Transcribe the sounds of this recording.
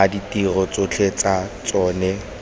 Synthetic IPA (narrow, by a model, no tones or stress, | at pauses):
aditirɔt͡sʼot͡ɬʰet͡sat͡sʼɔːnɛ